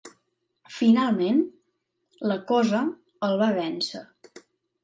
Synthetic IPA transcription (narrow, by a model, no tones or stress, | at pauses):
finalˠmen | ləkɔzə | əlˠβaβɛnsə